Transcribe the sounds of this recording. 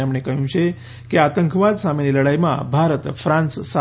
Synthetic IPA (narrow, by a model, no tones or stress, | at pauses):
amɳekəɦjũt͡ʃʰe | keat̪əŋkʰʋad̪sameniləɽajmã̰bʱaɾət̪fɾãnsːa